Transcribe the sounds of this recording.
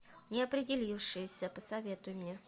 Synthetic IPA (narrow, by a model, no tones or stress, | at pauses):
nʲɪɐpɾʲɪdʲɪlʲifʂɨjɪsʲəpəsɐvʲe̞t̪ʊjɪmnʲe